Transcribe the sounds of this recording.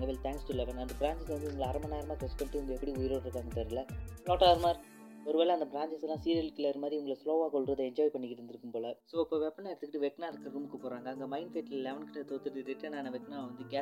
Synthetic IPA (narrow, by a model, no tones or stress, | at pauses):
ɡɐʋɪlt̪ʰãːŋksʈulɛʋɐnɐnd̪ɐbɪɾaːɲt͡ʃɐsʋɐnd̪ɯʊŋɡɐɭɐɾɐmɐnːaːjɐɾɐmaːt̪ɾɐspɐɳʈːɯʊŋɡɐɛpːɐɽiʊjɪɾoɪɾɯkːaːŋɡɐt̪ːɐɾɡɐlɐfloːʈːaːɾmaːɾ | ɔɾɯʋeːɭɐɐnd̪ɐbɾaːɲt͡ʃɐslãːsiːɾɐlkːɪlːɐːɪɾɯmaːd̪ɾiʊŋɡɐɭɐsloːʋaːkɔɭɾɐðɯɛɲd͡ʒɔːjpɐɳːɪkːɪɾɯnd̪ɪɾɯkːɯmpoːlɐsoːɪpːoːʋɛpːɐnaːɪɾt̪ːɯkːɪʈːɯʋɛknaːɪɾɯkːɾɐɾuːmɯkːɯpoːɾaːŋɡɐːŋɡɐmɐɪnfeːʈllɛʋɐnkɪʈːɐt̪oːt̪ːɯʈːɯɾɪʈːɐnaːnɐʋɛkːnaːʋɐnd̪ɯɡɛ